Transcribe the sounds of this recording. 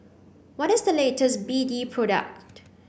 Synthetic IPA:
wɔɾɪsdəletʰəsbiːdipʰɹ̥ɔɾə̰k̚t

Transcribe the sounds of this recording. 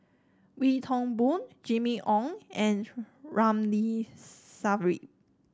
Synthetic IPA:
witʰɔ̃ŋbũnd͡ʒimiʔɔ̃ŋɛ̃n | ɹãmli | savəɹḭ

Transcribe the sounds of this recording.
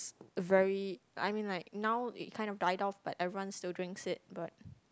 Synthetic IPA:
səvɛɹia̰ɪmĩnlaɪk̚naʊɪ̰t̚kʰãɪ̃ndɔfdaɪdɔfb̥atɛvɹiwãnstɪldɹɪ̃ŋksɪt̚b̥at̚

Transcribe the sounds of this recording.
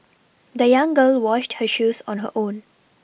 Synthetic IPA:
d̪əjãŋɡəːlwɔʃʈhəʃuːsɔ̰̃nɦə̰ʔõːn

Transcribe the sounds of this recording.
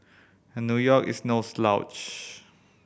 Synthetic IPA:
nːjujɔkḭsnoslaʊt͡ʃ

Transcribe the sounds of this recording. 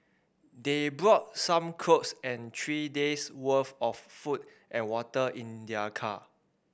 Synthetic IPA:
debɹɔt̚sãmkʰɹoksɛ̃ntʰɹideswəfɔfːut̚ | ʔɛ̃nwɔtəʔĩndəkʰa

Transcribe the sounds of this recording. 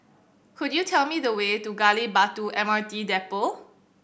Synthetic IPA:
kʰʊdjutʰɛlmiðəwetuɡalibatuʔɛ̃maɹtidɛpo

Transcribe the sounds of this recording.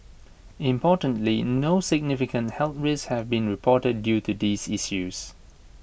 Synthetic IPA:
ɪ̃mpʰɔːtə̃ntlinoːsɪɡ̚nɪfɪkə̃nthɛltɹishɛvbĩnɹipʰɔːtədːjuːtud̪iːziʃjus

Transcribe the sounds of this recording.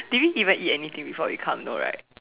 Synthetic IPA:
d̥iwiʔivə̃nʔit̚ɛnit̪ĩŋbifɔwḭkʰã̰mno̰ɹa̰ɪt̚

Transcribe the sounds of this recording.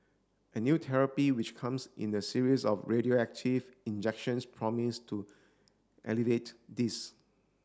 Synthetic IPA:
ʔənjutʰɛɹəpiwit͡ʃkʰãmsʔḭ̃ndəsiɹisɔfɹeɾioɛk̚tʰivĩnd͡ʒɛkʃə̃nspʰɹɔmistʰu | ʔɛ̰livetdis

